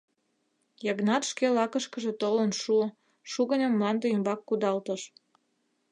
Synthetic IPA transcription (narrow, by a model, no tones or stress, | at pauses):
jɑɣnɑt̪ʃkelɑkəʃkəʒet̪olənʃu | ʃuɣənʲə̆mːlɑnd̪eymbɑkːud̪ɑlt̪əʃ